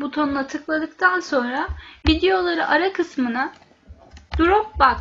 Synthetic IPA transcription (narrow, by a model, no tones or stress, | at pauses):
but̪ʰo̞nnˠat̪ʰɯklˠad̪ɯkt̪ʰanso̞nɾavid̪ejo̞lˠaɾɯʔaɾakʰɯsmɯna | d̪̥uɾopbak